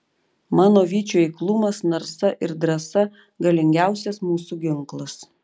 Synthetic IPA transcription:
mɑːnoːʋʲiːt͡ʃʲuːiːklˠʊmɐsnɐɾsɐʔɪɾd̪ɾɐsɐ | ɡɐlʲɪŋʲɡʲæˑʊsʲɛsmuːsuɡʲɪŋklˠɐs

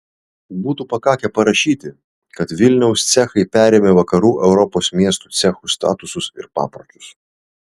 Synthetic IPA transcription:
buːt̪upɐkɑːkʲɛpɐɾɐʃʲiːt̪ʲɪ | kɐt̪ʋʲɪlʲnʲɛʊst̪sʲɛxɐɪpʲæːɾʲeːmʲeʋɐkɐɾuːʔɛʊɾɔpoːsmʲiɛst̪ut̪sʲɛxust̪ɑ̰ːt̪ʊsʊsɪ̰ɾpɑ̰ːpɾɐt̪ʊs

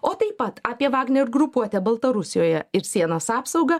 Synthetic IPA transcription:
oːt̪ɐɪppːɐt̪ɑːpʲiɛʋɑːɡnʲɛɪɾɡɾʊpuɔt̪ʲɛbɐlˠt̪ɐɾʊsʲɪjoːjɛɪɾsʲiɛnɐsɑːpsɒʊɡɐ

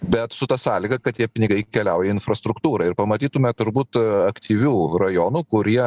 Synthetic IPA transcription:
bʲɛt̪sʊt̪ɑsɑːlʲiɡɐkɐt̪t̪ʲiɛpʲɪnʲɪɡɐɪkʲɛlʲɛʊjɛɪnfɾɐst̪ɾʊkt̪uːɾɐɪɾpɐmɐt̪ʲiːt̪ʊmʲɛt̪ʊɾbuːt̪ɐkt̪ʲiːʋʲuːrɐjoːnukʊɾʲiɛ

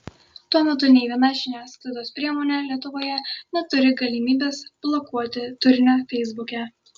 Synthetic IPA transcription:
t̪uɔmʲɛt̪ʊnʲɛɪʋʲiɛnɑʒʲɪnʲæːst̪ɐd̪oːspʲɾʲiɛmoːnʲɛlʲiɛt̪ʊʋoːjɛnʲɛt̪ʊɾʲɪɡɐlʲimʲiːbʲeːsb̥lˠɔkuɔt̪ʲɪt̪ʊɾʲnʲoːfʲɛɪzbʊkʲɛˑ

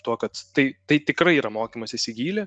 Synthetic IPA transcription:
t̪uɔkɐt̪t̪ɐɪt̪ɐɪt̪ʲɪkɾɐɪiːɾɐmoːkʲimɐsʲɪsʲɪɡʲiːlʲe

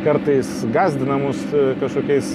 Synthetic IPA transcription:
kɐɾt̪ɐɪsɡɑːzʲd̪ʲɪnɐmuskɐʃkoːkʲɛɪs

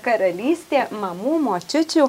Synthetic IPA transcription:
kɐɾɐlʲiːsʲt̪ʲeːmɐmuːmoːt͡ʃʲɪt͡ʃʲuː

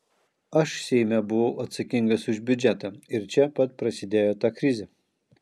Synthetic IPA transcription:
ɐʃsʲɛɪmʲɛbʊʋɐʊʔɐt̪sɐkʲɪŋɡɐsʊʒʲbʲʊd͡ʒʲɛt̪ɐɪɾt͡ʃʲɛpɐt̪̚pɾɐsʲɪd̪ʲeːjoːt̪ɑːkɾʲɪzʲɛ

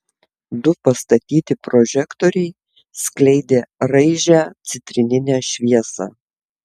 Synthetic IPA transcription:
d̪ʊpɐst̪ɐt̪ʲiːt̪ʲɪpɾɔʒʲɛkt̪oːɾʲɛɪ | sklʲɛɪd̪ʲeːɾɐɪʒʲæːt̪sʲɪt̪ʲɾʲɪnʲɪnʲæːʃʲʋʲiɛsɑ̰ː

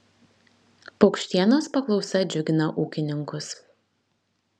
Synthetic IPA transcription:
pɒʊkʃʲt̪ʲiɛnoːspɐklˠɒʊsʲɛd͡ʒʲʊɡʲɪnɐʔuːkʲɪnʲɪŋkʊs

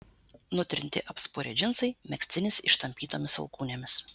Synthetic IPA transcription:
nʊt̪ʲɾʲɪnʲt̪ʲɪ̰ʔɐpspʊɾʲɛ̰d͡ʒʲɪnsɐɪmʲɛksʲt̪ʲɪnʲɪsɪ̰ʃt̪ɐmʲpʲiːt̪oːmʲɪsɐ̰lˠkuːnʲeːmʲɪs

